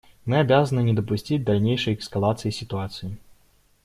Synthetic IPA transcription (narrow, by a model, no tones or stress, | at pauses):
mɨabʲazɐnɨnʲɛd̪ɐpusʲt͡sʲid͡zʲd̪alʲnʲejʂɐjɛkskalˠat̪sɨjisʲit̪uat̪sɨji